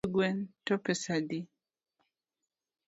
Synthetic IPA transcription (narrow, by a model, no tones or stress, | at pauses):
ɡwɛntɔpɛsadi